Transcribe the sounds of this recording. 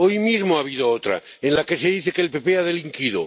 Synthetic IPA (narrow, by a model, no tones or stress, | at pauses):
ojmizmoaβ̞iðoot̪ɾa̰ | enlake̞se̞ðiθekeːlpe̞peaðeliŋkiðo̰